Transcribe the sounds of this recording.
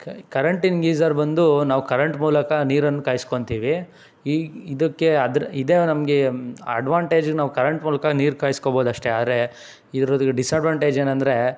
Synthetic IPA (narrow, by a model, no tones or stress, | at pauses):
kɐɾɐɳʈinɡiːzɐɾbɐnd̪unaːʋukɐɾɐɳʈmuːlɐkɐniːɾɐnːukaːjiskoɳt̪iːʋi | iid̪ɐkːe̞ɐd̪ɾid̪eːnɐmɡeɐ̰ɖʋaːɳʈe̞ːd͡ʒɡenaːʋukɐɾɐɳʈmuːlɐkaniːɾkaːjiskoboːd̪ɐʂʈeaːd̪ɾe̞ | id̪ɾoːd̪kːeɖisɐɖʋaːɳʈe̞ːd͡ʒeːnɐnd̪ɐɾe̞